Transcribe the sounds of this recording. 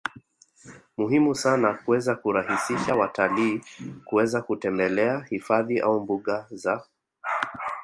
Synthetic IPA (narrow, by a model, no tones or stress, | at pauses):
muɦimusanakuwɛzakuɾahisiʃawataliːkuwɛzakutɛmbɛlɛahifaðiʔa̰umbuɠaza